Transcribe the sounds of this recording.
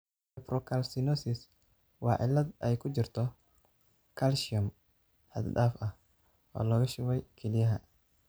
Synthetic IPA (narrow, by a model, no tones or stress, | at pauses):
ɛpɾɔkʰɐlsɪnɔsɪs | wɑːʕɪ̰lːɐd̪ʔɛjkʰʊt͡ʃɪrt̪ʰɔ | kʰɐlʃɪʊm | hɐ̰d̪d̪aːfɐh | ʔɔ̰ːlɔːɣɐʃʊwɛjkʰɛlɪjɐɦɐ